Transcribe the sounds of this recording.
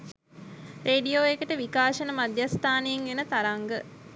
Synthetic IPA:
rʔeːɖijoːekəʈəʋikaːʃənəmad̪jast̪ʰaːneːŋenət̪aɾaŋɡə

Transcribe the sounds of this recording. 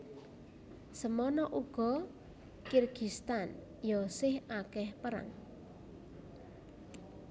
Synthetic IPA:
səmɔnɔʔuɡ̥ɔ̤ | kirɡ̥ist̪an | jɔsɪhakɛhpəɾa̰ŋ

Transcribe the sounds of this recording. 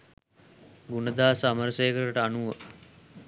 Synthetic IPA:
ɡunəd̪aːsaməɾseːkəɾɾəʈəanuʋə

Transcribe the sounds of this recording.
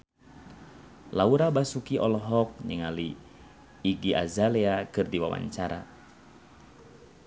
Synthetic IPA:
lauɾabasukiʔɔlɔɦɔk̚ɲiŋaliː | ɡiʔa̰zalɛakɨrdiwa̰wa̰ɲt͡ʃaɾa̰

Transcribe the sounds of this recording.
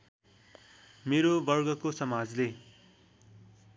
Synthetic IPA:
meɾobʌrɡʌkosʌmad͡zle

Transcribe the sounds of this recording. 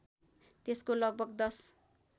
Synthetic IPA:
t̪eskolʌɡ̚bʱʌɡd̪ʌs

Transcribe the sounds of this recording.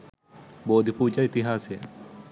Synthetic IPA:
boːd̪ʱipuːd͡ʒait̪iɦaːse

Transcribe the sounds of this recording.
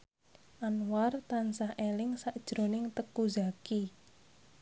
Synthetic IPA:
ʔanwart̪ansahelɪŋsaʔd̥ʒ̥ɾo̤nɪŋt̪əkuzaki

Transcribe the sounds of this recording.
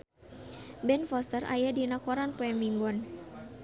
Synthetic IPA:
bɛnfɔst̪ərʔa̰jadinakɔɾanpɔɛmiŋɡɔn

